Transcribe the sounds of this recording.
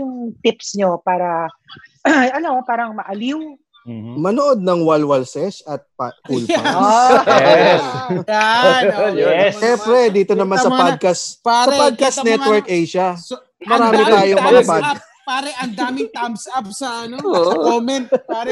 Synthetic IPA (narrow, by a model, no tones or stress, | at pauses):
jʊŋt̪ɪpsɲopaːɾɐ | ɐnɐmopaːɾɐŋmɐʔɐliŋ | mɐnoʔod̪̚nɐŋwɐlwɐlsɛʃɐt̪̚pkulɐ | a | jɛsʃɛmpɾɛd̪iːt̪o̞nɐmansɐpad̪̚kɐssɐpad̪̚kɐsnɛt̪wɛɾkʔɛjʃɐ | mɐɾaːmɪt̪aaːjoŋmɐɡɐpad̪̚kɐ | paːɾɛʔɐnd̪ːmɪŋt̪amsap̚sɐʔɐnoomɛnt̪a